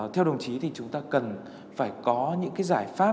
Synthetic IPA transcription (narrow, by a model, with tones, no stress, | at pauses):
t̪ʰɛ˧wɗə˨˩wŋ͡mt͡ɕi˨˦t̪ʰi˨˩t͡ɕʊ˨˦ŋ͡mt̪aː˧kə˨˩n | faː˧˩jkɔ˨˦ɲɨ̰˧˥ŋkaː˨˦jzaː˧˩jfaː˦˥